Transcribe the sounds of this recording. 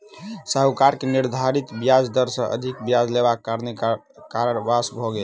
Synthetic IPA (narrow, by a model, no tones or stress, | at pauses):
səɦukaɾkeniɾd̪ʱaɾit̪bijad͡ʒd̪əɾsə̃ʔə̰d̪ʱikbijad͡ʒlebakːaɾne | kaɾəɾbasbʱɔɡe